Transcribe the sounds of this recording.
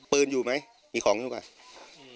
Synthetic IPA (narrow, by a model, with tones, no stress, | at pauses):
pɤː˧njuː˨˩ma˦˥j | miː˧kʰɔː˨˩˦ŋjuː˧˦kaː˨˩j